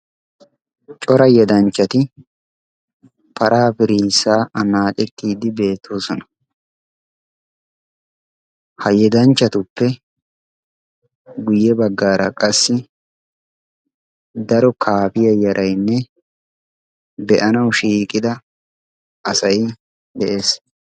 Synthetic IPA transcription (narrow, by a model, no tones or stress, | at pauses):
t͡ʃʼɔɾɐjɛd̪ɐnt͡ʃːɐt̪ɪ | pʰɐɾʔaːpɪɾiːsaːʔɐnaːt͡ʃʼɛt̪ːiːd̪ɪbe̞ːt̪ʰːo̞ːsɔnɐ̥ | hɐjɛd̪ɐnt͡ʃːɐt̪ʊpːɛ | ɡʊjːɛbɐɡːaːɾɐkʼɐsːɪ | d̪ɐɾɔkʰaːpɪjɐjɐɾʔɐjnːɛ | bɛʔɐnɐwʃiːkʼɪd̪ɐ | ʔɐsɐj | d̪ɛʔe̞ːs